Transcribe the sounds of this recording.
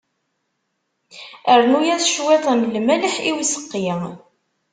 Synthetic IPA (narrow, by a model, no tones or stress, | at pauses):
əɾnujæðʃwæðˤæmlmæləħiwisə̥qːjə